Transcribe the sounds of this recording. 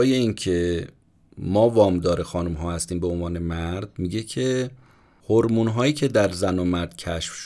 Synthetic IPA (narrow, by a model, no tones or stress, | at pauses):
je̞iːncʰe̞ | mɒːvɒːmd̪ɒːɾexɒːnumɦɒːhæst̪iːmbe̞onvɒːne̞mæɾd̪̥̚miɟe̞cʰe̞ | hoɾmuːnɦɒːjiːcʰe̞d̪æɾzænomæɾd̪̥̚cʰæʃfʃ